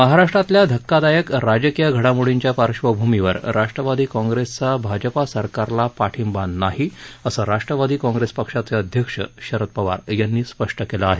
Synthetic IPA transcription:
məɦaɾaʂʈɾat̪ljad̪ʱəkːad̪ajəkɾad͡ʑəkijaɡʱəɽamuɭiɲt͡ɕjapaɾɕʋəbʱumiʋə̰ɾɾaʂʈɾəʋad̪iːkɔ̃ŋɡɾest͡sabʱad͡ʑəpasəɾkaɾlapaʈʰimbanːaɦiəsəɾaʂʈɾəʋad̪iːkɔ̃ŋɡɾespəkʂat͡seəd̪ʱjəkʂə̰ɕəɾət̪̚pəʋa̰ɾjanːiːspəʂʈəkelaːɦe

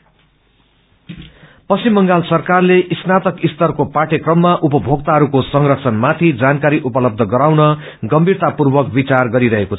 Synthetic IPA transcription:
pʌsimːʌŋɡalsʌrkarleʔisnat̪ʌkist̪ʌrkopaʈekrʌmːaʔupʌbʱoɡ̚t̪aɦʌɾukosʌŋrʌt͡sʰʌnmat̪ʰid͡zankaɾiʔupʌlʌb̚d̪ʱʌɡʌɾawnʌ | ɡʌmbʱirt̪apurbʌk̚bit͡sarɡʌɾiɾʌɦekot͡sʰʌ

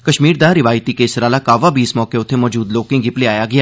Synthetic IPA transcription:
kɐʃmiːɾd̪aɾɪʋaːjt̪ikeːsɾaːlakaːʋabiːsmɔːkeʊt̪ʰːemɔːd͡ʒuːd̪loːkɪ̃ŋɡɪpleaːjaɡɐjaː

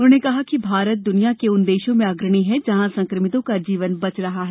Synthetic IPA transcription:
ʊnẽkɐɦakibʱaːɾət̪̚d̪ʊnijakeʊnd̪eːʃõmẽaɡɾəɽ̃iɦɛd͡ʒɐɦãsɐ̃ŋkɾəmɪt̪õkad͡ʒiːʋənbɐt͡ʃɾɐɦaɦɛː

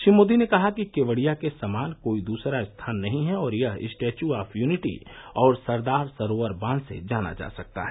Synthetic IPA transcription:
ʃimoːd̪inekɐɦakikeːʋəɽijakesamaːnkoːid̪uːsɾaɪst̪ʰaːnːɐɦĩɦɛɔːɾjɐɦɪ̰sʈeːt͡ʃuaːpʰjuːnɪʈḭɔːɾsɐɾd̪aːɾsəɾoːəɾbãːnsḛd͡ʒaːna̰d͡ʒa̰ːsɐk̚t̪a̰ɦɛː

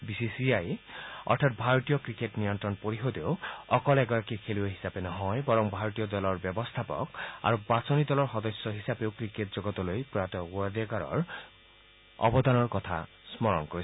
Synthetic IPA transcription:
bisisiajɔ̰ɹtʰat̚bʱaɹɔt̪ijɔkɹiketnijɔnt̪ɹɔnpoɹiɦod̪ewɔkɔlɛɡɔɹakikʰeliaɦisapenɔɦɔjbɔɹɔŋbʱaɹɔt̪ijɔd̪ɔlɔɹbɔbɔst̪ʰapɔ̰ka̰ɹubasonid̪ɔlɔɹxɔd̪ɔsːɔɦisapewkɹiketzɔɡɔt̪ɔlojpɹɔat̪ɔuad̪akaɹɔ̰ɹ | ɔ̰bɔd̪anɔɹkɔt̪ʰa̰ | smɔɹɔ̰nkoɹis

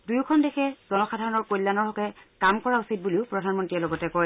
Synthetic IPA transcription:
dujkʰɔndekʰɛzɔnɔxadʱaɹɔnɔɹkojlːanɔɹɦɔkɛkamkɔɹausit̚buliʊpɹɔdʱanmɔntɹiɛlɔɡɔtɛkɔj

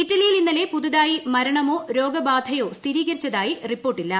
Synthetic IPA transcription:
itːɐlijilinːɐle̞puðuðaːjimɐɾɐɳɐmo̞ːɾo̞ːɡɐbaːd̪ʱɐjo̞ːst̪ʰiɾiːɣɐɾit͡ɕːɐðaːjiripːo̞ːrʈːilːɐ

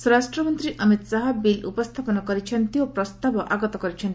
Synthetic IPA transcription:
suɾasʈɾɔmɔnt̪ɾiʔəmit̪saɦɐbilṵpɔst̪ʰapɔnɔkɔɾit͡ʃʰʌnt̪iopɾɔst̪abɔʔaɡɔt̪ɔkɔɾit͡ʃʰɔnt̪i

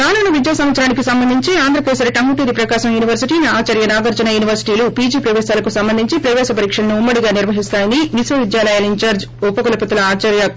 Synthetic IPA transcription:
kaːnuːnɐʋid̪jaːsɐmʋɐt̪sɐɾaːnikisɐmbɐnd̪ʱiɲt͡ʃiaːnd̪ɾɐkɾɛːsɐɾʈɐŋɡuʈiːɾipɾɐkaːʃɐmjuːniʋɐɾsiʈiːniaːt͡ʃɐɾjɐnaːɡɐɾd͡ʒɐnɐjuːniʋɐɾsi̥ʈiːlupiːd͡ʒiːpɾɐʋɛːsaːlɐkusɐmbɐnd̪ʱiɲt͡ʃipɾɐʋɛːsɐpɐɾiːkʂɐlɐnuumːɐɽiɡaːniɾʋɐɦist̪aːjɐniʋisʋɐʋid̪jaːlɐjaːlɐiɲt͡ʃaːɾd͡ʒ | upːɐkɐlɐpɐt̪ulɐaːt͡ʃɐɾjɐ

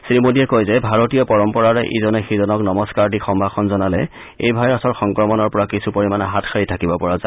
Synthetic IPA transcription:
sɹimodiɛkojzɛbʱaɹotijɔpɔɹɔmpɔɹaɹɛʔizɔnɛxizɔnɔknɔmɔskaɹdixɔmbʱaxʰɔnzɔnalɛ̰ | ḛjbʱajɔsɔɹxɔŋkɹɔmɔnɔɹpɔɹakisupoɹimanaɦatxʰaɹitʰakibɔpɔɹaza

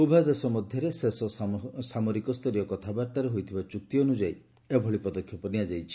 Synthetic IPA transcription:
ubʱad̪esɔmɔd̪ʱjɔɾesesɔsamɔɾikɔst̪ʰɔɾijɔkɔt̪ʰabaɾt̪aɾeɦojt̪ʰibat͡ʃuk̚t̪ionud͡ʒaj | ebʱɔɭipɔd̪ɔkʰːjɔpɔniad͡ʒajt͡ʃʰi̥

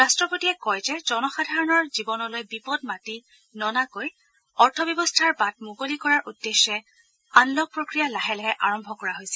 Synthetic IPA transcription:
ɹastɹɔpotiɛkɔjzɛzɔnɔxadʱaɹɔnɔɹzibɔnɔlojbipɔd̚mati | nɔnakoj | ɔɹtʰɔbjɔbɔstʰaɹbat̚muɡolikɔɹaɹʔudːeʃːɛ | anlɔɡ̚pɹokɹijalaɦɛlɛɦɛʔaɹɔmbʱɔkɔɹaɦojsɛ̥

